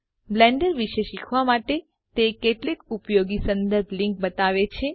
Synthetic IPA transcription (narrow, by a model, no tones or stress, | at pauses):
blɛ̃ɳɖəɾʋiʃeʃikʰʋamaʈe | t̪ekeʈlikupjoɡisənd̪əɾbʱliŋk̚bət̪aʋet͡ʃʰe